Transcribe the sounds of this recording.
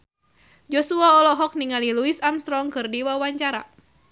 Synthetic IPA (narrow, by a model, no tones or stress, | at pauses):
d͡ʒɔsuaɔlɔɦɔk̚niŋaliluisamst̪ɾɔŋkɨrdiwawaɲt͡ʃaɾa̰